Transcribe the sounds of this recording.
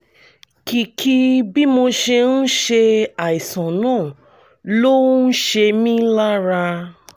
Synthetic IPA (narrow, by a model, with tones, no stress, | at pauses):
ki˨˧kʰi˦bi˦mo˧ʃe˧n̩˦ʃe˧a˨i˨sã˨nãː˦˨ | lo˦n̩˦ʃe˧mĩ˦la˦ɾa˧